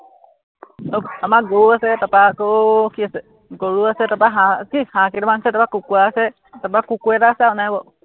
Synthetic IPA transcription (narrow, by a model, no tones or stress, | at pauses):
okamak̚ɡouasɛtapakokiasɛ | ɡoɹuasɛtapaɦãkihãkitɔmansɛtapakukuaːsɛ | tapakukuɛtaːsɛaʊnaɦabɔ